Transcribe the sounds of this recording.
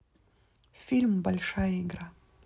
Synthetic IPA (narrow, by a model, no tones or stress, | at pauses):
fʲilʲmbɐlʲʂajɐiɡra